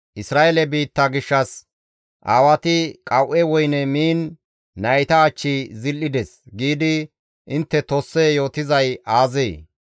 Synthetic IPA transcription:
ʔɪsɾaːʔelɛbiːt̪ːɐɡɪʃːɐs | ʔaːwɐt̪ɪkʼɐwʔɛwɔjnɛmiːnː | ɐjt̪ɐːt͡ʃːizɪlːɪd̪ɛsɡiːd̪ɪ | ʔɪnt̪ːɛt̪osːɛjo̞ːt̪ɪzɐjaːzeː

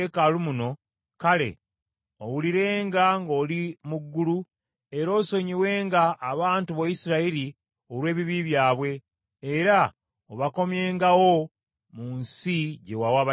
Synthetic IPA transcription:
ekalumuno̞ | kale̞̰ | owuliɾe̞ːŋɡaŋɡo̞ːlimuɡːulu | e̞ɾo̞ːso̞ɲiwe̞ːŋɡaːβaːntuβojisiɾaiɾi | o̞lwe̞ːβiβiβjaːβwe̞ː | ɾa | oβako̞mje̞ːŋɡawo̞ | munsiɟe̞wawaːβa

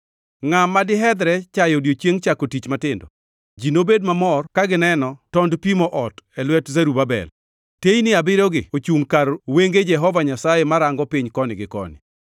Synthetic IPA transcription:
ŋamːadɪɦɛd̪ɾɛt͡ʃajodjot͡ʃeŋt͡ʃakotit͡ʃmatɪndɔ̰ | d͡ʒinobed̚mamɔrkaɡɪnɛnɔtɔndpimɔʔɔtɛlwɛtzɛɾubabɛ̰l | tejnɪabɪɾɔɡɪot͡ʃuŋkarweŋɡed͡ʒɛɦɔvaɲasajemaɾaŋɡɔpɪɲkɔnɪɡɪkɔ̰nɪ̰

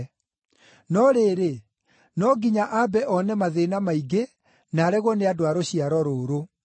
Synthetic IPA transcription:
nɔɾeɾe | nɔɡiɲaʔabɛʔɔnɛmaðenamaiɡe | naːɾɛɣwɔneadoaɾoɕiaɾɔɾoːɾo

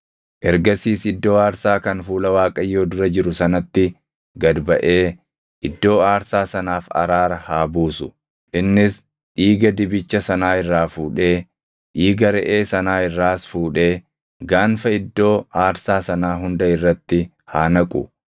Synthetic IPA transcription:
ʔɛɾɡɐsiːsɪd̪ːo̞ːaːɾsaːkɐnfuːlɐwaːkʼɐjːo̞ːd̪ʊɾɐd͡ʒɪɾʊsɐnɐt̪ːɪ | ɡɐd̪bɐʔe̞ː | ʔɪd̪ːo̞ːaːɾsaːsɐnaːfɐ̰ɾaːɾɐhaːbuːsʊ̥ | ʔɪnːɪs | ᶑiːɡɐd̪ɪbɪt͡ʃːɐsɐnaːɪrːaːfuːᶑe̞ː | ᶑiːɡɐɾɛʔeːsɐnaːɪrːaːsfuːᶑe̞ː | ɡaːnfɐɪd̪ːo̞ːaːɾsaːsɐnaːɦʊnd̪ɐɪrːɐt̪ːɪ | haːnɐkʼʊ̰

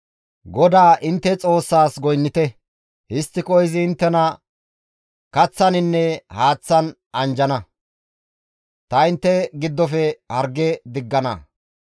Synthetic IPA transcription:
ɡɔd̪aːʔɪnt̪ːɛt͡sʼo̞ːsːaːsɡɔjnːɪt̪ɛ | hɪst̪ːɪkɔjɪzɪːnt̪ːɛnɐ | kɐt͡sːɐnɪnːɛhaːt͡sːɐn | ʔɐnd͡ʒɐnɐ | t̪ɐɪnt̪ːɛɡɪd̪ːɔfɛhɐɾɡːɛd̪ɪɡːɐnɐ̰

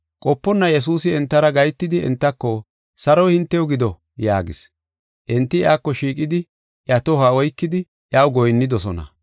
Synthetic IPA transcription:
kʼɔpːɔnːɐjɛs̬uːsɪɛnt̪ːɐɾɐɡɐjt̪ːɪd̪ɪɛ̰nt̪ːɐkːɔ | sɐɾɔjhɪnt̪ːɛjɔɡɪd̪ɔ | ja̰ːɡɪ̰s | ʔɛnt̪ːɪjaːkːɔʃiːkʼɪd̪ɪ | ʔjɐt̪ɔɦaɔjkːɪd̪ɪ | ʔjawɡɔjnːɪd̪ɔsɔnɐ̰

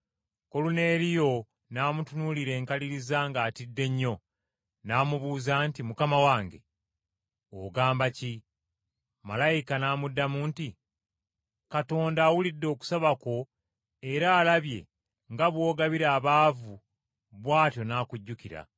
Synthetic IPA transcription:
ko̞lune̞ːɾijo̞ | naːmutunuliɾe̞ːŋkaliɾizaŋɡaːtidːe̞ɲːo̞ | naːmuβuːzaːntimukamawaːŋɡe̞̰ | oɡaːmbaci | malajikanaːmudːamuːnti | kato̞ːndaːwulidːo̞ːku̥saβako̞ | e̞ɾaːlaβje̞ | ŋɡaβwo̞ːɡaβiɾaːβaːvu | βwaːtjo̞naːkuɟːukiɾa̰

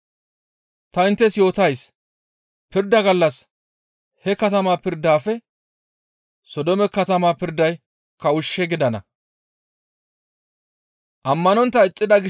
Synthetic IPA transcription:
t̪ɐɪnt̪ːɛsjo̞ːt̪ɐjs | pɪɾd̪ɐɡɐlːɐs | hɛkɐt̪ɐmaːpɪɾd̪ːaːfɛ | sɔd̪ɔmɛkɐt̪ɐmaːpɪɾd̪ɐj | kɐʊʃːɛɡɪd̪ɐnɐ̰ | ʔɐmːɐnɔnt̪ːɐɪt͡sʼːɪd̪ɐɡɪ

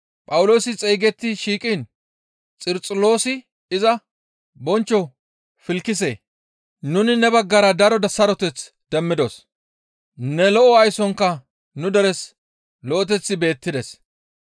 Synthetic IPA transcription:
pʼɐwʊlo̞ːsɪt͡sʼɛjɡɛt̪ːɪʃiːkʼin | t͡sʼɪɾt͡sʼʊlo̞ːsɪ | ɪzɐ | bɔnt͡ʃːɔ | fɪlkːɪs̬ḛː | nʊnɪnɛbɐɡːɐɾɐd̪ɐɾɔd̪ɐsɐɾɔt̪ɛt͡s | d̪̥ɛmːɪd̪os | nɛlɔʔɔɐjsɔŋkːɐ | nʊd̪ɛɾɛs | lɔʔɔt̪ɛt͡sːɪbe̞ːt̪ːɪd̪ɛs

